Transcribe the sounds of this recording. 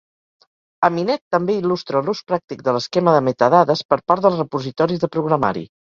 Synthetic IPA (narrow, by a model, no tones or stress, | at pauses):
əminɛt̪ːəmbeilust̪ɾəluspɾak̚t̪ik̚d̪ələskɛməðəmet̪əðaðəspəɾpaɾt̪ðəlˠzrəpuzit̪ɔɾizðəpɾuɣɾəma̰ɾḭ